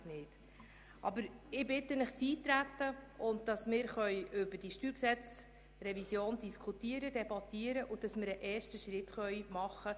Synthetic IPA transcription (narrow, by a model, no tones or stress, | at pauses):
nɪːt | ʔɑ̰bəɾɪbɪtːənɪχt͡siːtɾæt̪ːəʊnt̚dɑsmɪːɾχœjʔʏbəd̥iʃtyːɾksɛt͡s | rɛvisjoːndiskʰutiəɾəd̥ɛbɑt̪ːiːəɾəʔʊd̥ɑsmɪɾəʔɛːɾʃtəʃɾɪtχœʏmɑχə